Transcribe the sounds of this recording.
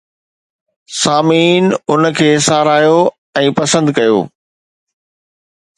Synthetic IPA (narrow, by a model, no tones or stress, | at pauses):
saːmiːnʊnkʰeːsaːɾaːjo | ɛ̃ːpɐsə̃nd̪kɐjo̰ː